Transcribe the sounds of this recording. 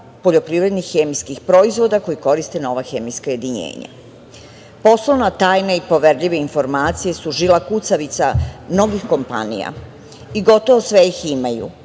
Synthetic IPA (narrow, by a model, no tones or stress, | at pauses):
po̞ʎo̞pɾiʋɾe̞d̪nixːemijskixpɾo̞izʋo̞d̪ako̞jiko̞ɾist̪eno̞ʋaxemijskaje̞d̪iɲḛːɲa̰ | po̞sloʋnat̪aːjneipo̞ʋeɾʎiʋe̞info̞ɾmaːt̪sijesuʒilakut̪saʋit̪samno̞ɡixko̞mpa̰nḭja̰ | iɡo̞t̪oʋosʋejiximajṵ